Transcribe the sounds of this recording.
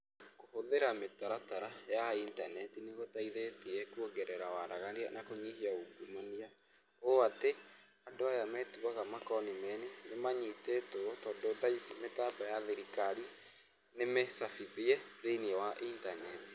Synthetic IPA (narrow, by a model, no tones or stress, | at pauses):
kohoðeɾametaɾataɾajaintanɛtineɣotaiðetiɛkuoɡɛɾɛɾawaɾaɣaɾianakoɲiɦiauɡumonia | oate | adoajamɛːtuaɣamakɔnimɛnenemaɲitetotɔːndodaisimetabajaðeɾikaɾi | nemesafibiɛðeniɛwaʔintanɛti̥